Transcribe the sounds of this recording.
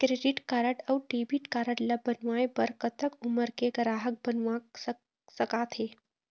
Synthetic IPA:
kɾeɖiʈkaɾəʈawʈebiʈkaɾəʈlabənʋajbəɾkət̪ʰəkuməɾkekɾaɦək̚bənʋaksə | səkat̪ʰhe

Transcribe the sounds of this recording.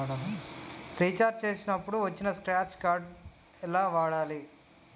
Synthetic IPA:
ɾit͡ʃaːɾd͡ʒt͡ʃe̞ːsinɐpːuɽuʋɐt͡ʃːinɐskɾaːt͡ʃkaːɾɖ | ɛlaːʋaːɽaːli

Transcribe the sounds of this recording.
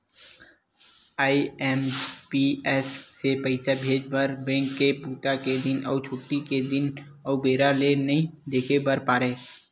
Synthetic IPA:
aːiɛːmpiɛːsːepəɪsabʱeːd͡ʒbəɾbɛ̃ːŋkːepuːt̪aked̪ɪnɔːt͡ʃʰoːʈːiked̪ɪnɔːbeːɾalenɐɦĩd̪eːkʰebəɾpaːɾeː

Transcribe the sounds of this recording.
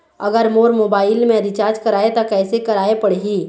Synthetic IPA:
ɐ̰ɡəɾmoːɾmoːbaːɪlmẽɾɪt͡ʃaːɾd͡ʒkɐɾaːet̪akɛːsekɐɾaːepɐɽeɦiː

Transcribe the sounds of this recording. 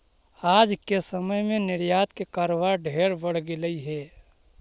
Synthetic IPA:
aːd͡ʒkesəməjmẽnɪɾjaːt̪kekəɾʋaɖʱeːɾbəɽ̤ɡɪləiɦɛː

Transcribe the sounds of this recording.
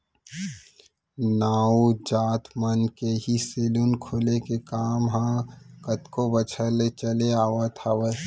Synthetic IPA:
naːud͡ʒaːt̪mənkeɦiseːlunkʰoːlekekaːmɦãkət̪kobət͡ʃʰəlet͡ʃəleaːʋat̪ʰaʋə

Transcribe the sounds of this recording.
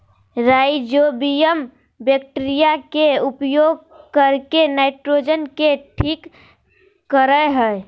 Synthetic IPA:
ɾajd͡ʒobijəm | bjək̚ʈeɾijakeupjoɡ̚ | kəɾkenaɪʈɾod͡ʒənkeʈʰiːkː | əɾəɦəe

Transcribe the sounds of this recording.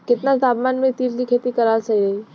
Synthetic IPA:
kɪt̪nasaːbmaːnmẽt̪iːɾkikʰeːt̪ikɐɾaːlsɐiɾɐɦi

